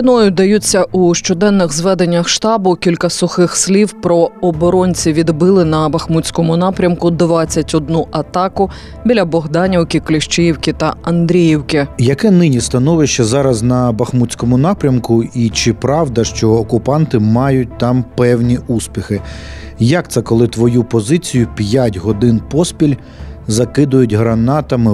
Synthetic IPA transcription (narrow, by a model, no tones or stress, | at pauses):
ɐnɔjʊd̪ɐjut͡sʲːɐʔuʃt͡ʃɔd̪ɛnːɪxzʋɛd̪e̞nʲːɐxʃt̪ɑbʊkʲilʲkɐsʊxɪxslʲiwpɾɔɔbɔɾɔnʲt͡sʲiʋʲid̪bɪlˠɪnɐbɐxmutʲt͡sʲsʲkɔmʊnɑpɾʲɐmkʊd̪ʋɑt͡sʲːɐtʲɔd̪̚nuʔɐt̪ɑkʊ | bʲilʲɐbɔɦd̪ɑnʲiwkʲɪklʲɪʃt͡ʃɪjiwkʲɪt̪ɐɐnd̪ɾʲijiwkʲɪjɐkɛnɪnʲist̪ɐnɔʋɪʃt͡ʃːɐzɑɾɐznɐbɐxmut͡sʲkɔmʊnɑpɾʲɐmkʊit͡ʃɪpɾɑwd̪ɐʃt͡ʃɔːkʊpɑnt̪ɪmɑjʊt̚ʲt̪ɑmpɛwnʲiuspʲixɪ | jɐk̚t̪sɛkɔlˠɪt̪ʋɔjupɔzɪt͡sʲijʊpʲjatʲɦɔd̪ɪnpɔspʲilʲ | zɐkɪd̪ʊjʊtʲɦɾɐnɑt̪ɐmɪ